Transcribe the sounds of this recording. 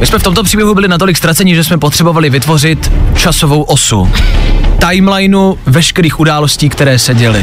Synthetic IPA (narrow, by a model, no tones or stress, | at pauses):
mɪsmɛft̪o̞mt̪o̞pr̝̥iːbjɛɦubɪlɪnat̪o̞lɪkst̪ɾat͡sɛɲɪʒɛsmɛpot̪r̥ɛbo̞valɪvɪt̪vo̞rɪt̪t͡ʃaso̞vo̞wʔo̞sṵ | t̪ajmlajnuvɛʃkɛɾiːxʔudaːlo̞sciːkt̪ɛɾɛːsɛɟɛlɪ̰